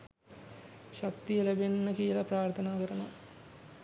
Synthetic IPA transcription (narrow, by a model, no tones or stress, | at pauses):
ʃak̚t̪ijəlæbenːəkijəlapɾaːrt̪ʰənaːkəɾəna